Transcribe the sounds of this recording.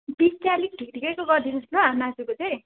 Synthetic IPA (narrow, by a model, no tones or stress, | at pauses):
bist͡sjalik̚ʈikʈikekoɡʌrd̪inʌsloanad͡zukot͡sʌj̃